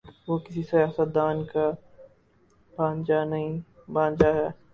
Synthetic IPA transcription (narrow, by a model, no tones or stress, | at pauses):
ʋokɪsisɐjaːsət̪̚d̪aːnka | bʱãːnd͡ʒanɐɦĩbãːnd͡ʒaɦɛː